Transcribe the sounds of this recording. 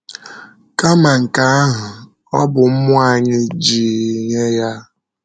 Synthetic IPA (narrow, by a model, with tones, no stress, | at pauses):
ka˦ma˨ŋ̩˨ka˨˦a˦ɦʊ˨ | ɔ˦bʊ˨m̩˦mʊ˦a˦˨ɲɪ˦d͡ʒiː˨ɲe˦ja˦